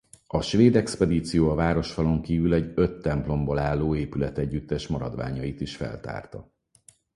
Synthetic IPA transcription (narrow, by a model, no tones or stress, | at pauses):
ɒʃʋeːd̪ɛkspɛd̪iːt̪sijoːɒvaːɾo̞ʃfɒlo̞ŋkiːvylɛɟøt̪ːɛmplo̞mbo̞laːlːoːeːpylɛt̪ɛɟːyt̪ːɛʃmɒɾɒ̰d̪ʋa̰ːɲɒjit̪iʃfɛ̰lt̪a̰ːrt̪ɒ